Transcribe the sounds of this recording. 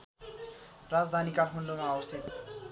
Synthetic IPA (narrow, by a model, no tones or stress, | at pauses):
rad͡zd̪ʱanikaʈʰmʌɳɖomaːbʌst̪ʰit̪